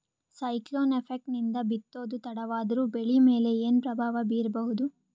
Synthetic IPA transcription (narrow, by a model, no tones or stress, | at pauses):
sɐjkloːnepʰek̚ʈnind̪ɐbit̪ːo̞ːd̪ut̪ɐɽɐʋaːd̪ɐɾuːbeɭime̞ːle̞eːnpɾɐbʱaːʋɐbiːɾɐbɐɦud̪u